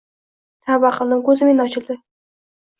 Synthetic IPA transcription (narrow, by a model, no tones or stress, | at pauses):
t̪ʰabaqəlˠnɪŋkʲɵzɪmenɒt͡ʃʰɪlˠd̪ɪ